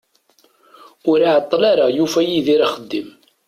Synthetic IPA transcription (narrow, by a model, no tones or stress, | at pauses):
ʊɾaʕət̪ˤːlaɾajufæjiðiɾaχəd̪ːim